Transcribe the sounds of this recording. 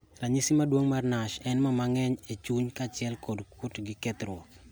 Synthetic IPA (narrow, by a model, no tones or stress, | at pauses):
raɲisimadwoŋmarnaʃɛnmamaŋɛɲet͡ʃuɲkat͡ʃɪɛlkodkʊtɡɪkɛt̪rwɔk